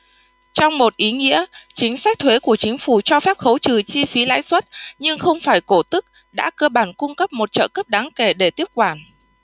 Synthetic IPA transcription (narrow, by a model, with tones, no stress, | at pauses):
t͡ɕɔ˧wŋ͡mmo˨˩t̚ʔi˨˦ŋḭ˧˥ət͡ɕï˨˦ŋ̟sa˦˥k̟̚t̪ʰwe˨˦ku˧˩ət͡ɕï˨˦ŋ̟fu˧˩t͡ɕɔ˧fɛ˦˥p̚xə˨˦wt͡ɕɨ˨˩t͡ɕi˧fi˨˦la̰ː˧˥jswə˦˥t̚ɲɨ˧ŋxə˧wŋ͡mfaː˧˩jko˧˩t̪ɨ˦˥k̚ | ɗa̰ː˧˥kəː˧ɓaː˧˩nkʊ˧ŋ͡mkə˦˥p̚mo˨˩t̚t͡ɕə̰ː˧˨kə˦˥p̚ɗaː˨˦ŋke˧˩ɗe˧˩t̪i˦˥əp̚kwaː˧˩n